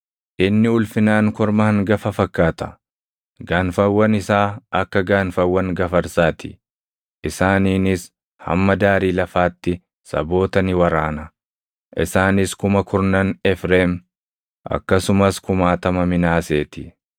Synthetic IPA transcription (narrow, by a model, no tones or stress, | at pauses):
ʔɪnːɪʊlfɪnaːŋkɔɾmɐhɐŋɡɐfɐfɐkːaːt̪ɐ̥ | ɡaːnfɐwːɐnɪsaːʔɐkːɐɡaːnfɐwːɐŋɡɐfɐɾsaːt̪ɪ̥ | ʔɪsaːniːnɪs | hɐ̰mːɐd̪aːɾiːlɐfaːt̪ːɪ | sɐ̰bo̞ːt̪ɐnɪwɐɾaːnɐ | ʔɪ̰saːnɪskʊmɐkʰʊɾnɐnɛfɾeːm | ʔɐ̰kːɐsʊmɐskʊmaːt̪ɐmɐmɪnaːse̞ːt̪ɪ